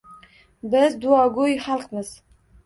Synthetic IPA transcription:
bɪzd̪ʊɒɡʊjχalˠqmɪz̥

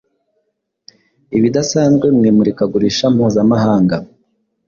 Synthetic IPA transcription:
iβidasaːnzɡwe̞mŋiːmuɾikaɡuɾiʃam̥huːzamahaːŋɡa

